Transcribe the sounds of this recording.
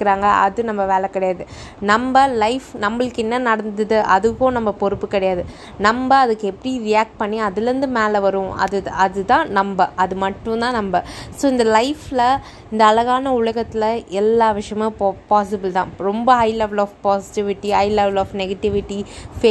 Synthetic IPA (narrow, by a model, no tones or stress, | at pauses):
ɪkːɪɾaːŋɡɐʔɐðɯnɐmbɐʋeːlɐkːɐɽɐjaːðɯ | nɐmbɐlɐɪfnɐmbɐɭɯkːɪnːɐnɐɽɐnd̪ɯðɯʔɐðɯkːʊ̃nɐmbɐpɔɾɯpːɯkːɪɽɐjaːðɯ | nɐmbɐɐðɯkːɯɛpːɐɽiɾɪjaːk̚ʈ̚pɐɳːiɐðɪlɛɾɯnd̪ɯmeːlɐʋɐɾʊ̃ɐ̰ðɯɐðɯt̪ãːnɐmbɐʔɐðɯmɐʈːʊ̃t̪ãːnɐmbɐsoːɪnd̪ɐlɐɪflɐ | ɪnd̪ɐːlɐɣaːnɐʊɭɐɣɐt̪ːɪlɐɛlːaːʋɪʂɐjɐmeːpaːsɪbɪlt̪ãːɾɔmbɐɦɐɪleːʋɪlaːfpaːsɪ̥ʈɪʋɪʈːiɦɐɪleːʋlaːfnɛɣɐʈɪʋɪʈːifeː